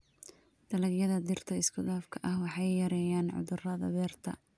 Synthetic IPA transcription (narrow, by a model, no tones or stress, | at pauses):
d̪̥ɐlɐɡjɐðɐd̪ɪrt̪ʰɐɪskʰʊd̪aːfkʰɐʔɐhwɑħɑjjɐɾɛːjaːnʕʊ̰ðʊrɐðɐ̰ðɛːrt̪ʰɐ̰